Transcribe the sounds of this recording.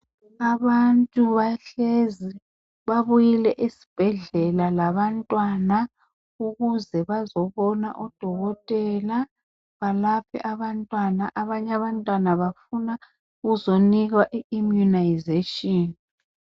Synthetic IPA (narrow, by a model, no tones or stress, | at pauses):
aβantʼuβaɬezi | βaβujilɛʔesi̥b̥ʱɛɮɛlalaβantʼwana | uɣuzɛβazɔβɔna̰ʔɔd̥ʱɔɣɔtʼɛla | βalapʰɛ̰ʔaβantʼwana̰ʔaβaɲaβantʼwanaβafuna | ɣuzoniɣwaʔiimjunajzetʼɔːni